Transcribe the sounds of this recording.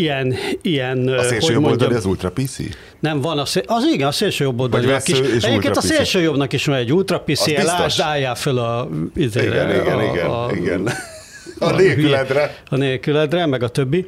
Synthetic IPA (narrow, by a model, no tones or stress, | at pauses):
ijɛnijɛnsseːloːjomod̪ɒniɒzult̪ɾɒpisḭ | nɛɱvɒnɒseʔɒziɡɛnɒseːlʃøːjo̞bːold̪ɒniɛkiʃɛɟeːpkeːnɒseːlʃøːjo̞bnɒkiʃmɒɛɟːult̪rɒpisiɛilaːʒʃd̪aːjːaːfølɒizḛːɾɛ̰iɡɛiɡɛḭɡɛ̰n | neylɛd̪rɛ | ɒneːlkylɛd̪rɛmɛɡɒt̪øbːi